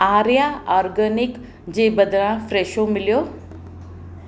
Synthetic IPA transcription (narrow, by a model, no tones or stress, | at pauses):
aːɾjaɔːɾɡənɪk | d͡ʑeːbəd̪ʱɾãfɾeːʃomɪlijoː